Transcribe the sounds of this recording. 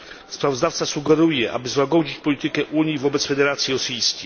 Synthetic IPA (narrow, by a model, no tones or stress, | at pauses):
spɾavɔzd̪aft̪sasuɡɛɾujɛʔa̰bɘzwaɡɔd͡ʑit͡ɕpɔlʲit̪ɘkɛʔuɲjivɔbɛt̪sfɛd̪ɛɾat̪sʲjiɾɔsɘjiskʲej